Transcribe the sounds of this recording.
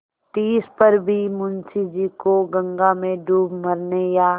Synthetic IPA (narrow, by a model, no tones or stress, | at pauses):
t̪iːspəɾbʱimʊnsid͡ʒikoɡə̃ŋɡamẽɖʱuːbmɐɾnejaː